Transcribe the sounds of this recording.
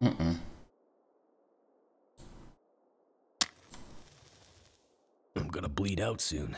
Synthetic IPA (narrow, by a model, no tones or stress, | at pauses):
m̩ʔm̩ | ãɪ̃mɡʌnəbliɾaʊtsʉ̰̃n